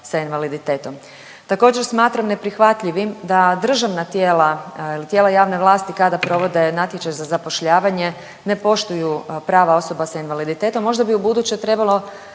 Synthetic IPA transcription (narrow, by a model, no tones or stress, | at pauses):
sainʋalid̪it̪e̞ːt̪o̞m | t̪ako̞ːd͡ʑeɾsmaːt̪ɾamne̞pɾixʋat̪ʎiʋimd̪ad̪r̩ʒaʋnat̪jeːlailit̪je̞ːlajaːʋne̞ʋlˠaːst̪ikad̪apɾo̞ʋo̞d̪e̞nat̪jet͡ɕajzazapo̞ʃʎaːʋaɲe̞ | ne̞po̞ʃt̪ujupɾaːʋao̞so̞basainʋalid̪it̪et̪omːo̞ʒd̪abiubud̪ut͡ɕet̪ɾe̞balˠo̞